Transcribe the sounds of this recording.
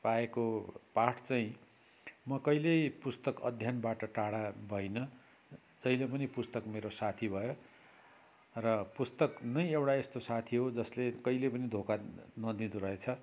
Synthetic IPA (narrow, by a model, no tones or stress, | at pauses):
paekopaʈʰt͡saĩ | mʌkʌilejpust̪ʌkʌ̰d̪ʱjanbaʈʌʈaɽabʱʌinʌ | d͡zʌilepʌnipust̪ʌkmeɾosat̪ʰibʱʌjo | rʌpust̪ʌknʌjewɽaest̪osat̪ʰiɦod͡zʌslekʌilepʌnid̪ʱokanʌd̪id̪uɾʌɦet͡sʰʌ